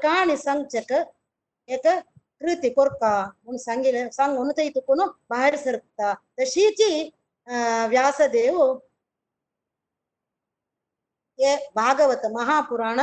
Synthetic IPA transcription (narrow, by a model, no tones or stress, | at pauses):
ɐkaːɳisɐŋt͡ʃɐkɐ | eːkɐ | kɾit̪ikoɾkaːonsɐŋɡilɐsɐŋɡonut̪ɐjt̪ukunubɐɦɐɾisɐɾk̚t̪aːt̪ɐʃiːt͡ʃi | ʋjaːsɐd̪eːʋu | eːbʱaːɡɐʋɐt̪ɐmɐɦaːpuɾaːɳɐ